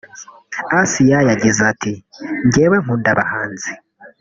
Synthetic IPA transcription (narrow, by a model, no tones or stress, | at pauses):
asijajaɟizatiŋɟeːβeŋ̥uːndaβa̰haːnzi